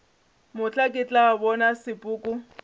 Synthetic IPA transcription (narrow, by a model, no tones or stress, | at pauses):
mʊt͡ɬʼakʼɪt͡ɬʼabɔnasɪpʼʊːkʼʊ